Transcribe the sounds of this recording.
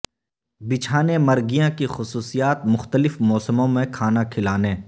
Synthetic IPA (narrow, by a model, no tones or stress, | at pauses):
bɪt͡ʃʰaːnemɐɾɡijãkixʊsuːsijaːt̪̚mʊxt̪əlɪfmɔːsəmõmẽkʰaːnakʰɪlaːnẽː